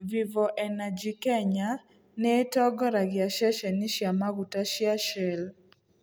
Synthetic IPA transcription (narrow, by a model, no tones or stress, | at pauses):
vivɔʔɛnad͡ʒikɛɲa | nɛtɔɡɔɾaɡɪaʃaʃɛniʃjamaɡutaʃjaʃɛl